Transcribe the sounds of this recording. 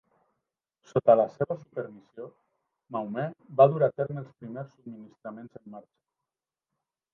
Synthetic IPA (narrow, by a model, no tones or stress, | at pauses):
sot̪ələseβəsupəɾmizio | mawmɛbaðuɾat̪eɾməlˠspɾimeɾsːub̚minist̪ɾamenzəmːaɾt͡ʃə̥